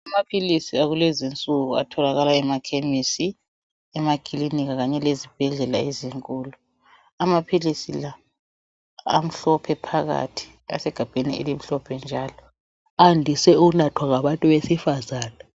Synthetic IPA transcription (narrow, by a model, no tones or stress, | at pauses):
amapʰilisiaɣulɛzint͡sʼuɣua̰tʰɔlaɣalaɛmakʰemisi | ɛmaɡ̥ʱʼiliniɣaɣaɲɛlezib̥ʱɛɮɛlaeziŋkʼuːlu | amapʰilisila | m̩ɬɔpʰɛpʰaɣa̰tʰi̥ | a̰sɛɡ̥ʱab̥ʱenḭḛlim̩ɬɔpʰɛnd͡ʒʱaːlɔ | andʱisɛunatʰwaŋaɓantʼuβesifazaːna